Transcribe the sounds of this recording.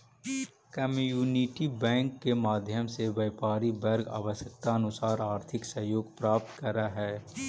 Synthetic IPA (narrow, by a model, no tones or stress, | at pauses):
kɐmjuːniʈibɛ̃ːŋkːemaːd̪ʱjəmseʋəːpaːɾibɐɾɡa̰ːʋəsjək̚t̪aɐnʊsaːɾaːɾt̪ʰɪksɐɦjoːɡpɾaːp̚t̪kɐɾaɦɛː